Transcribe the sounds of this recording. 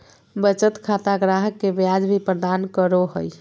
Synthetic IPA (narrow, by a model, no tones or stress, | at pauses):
bət͡ʃət̪kʰat̪aɡɾaɦəkːebjad͡ʒbʱipɾəd̪ankəɾoɦəj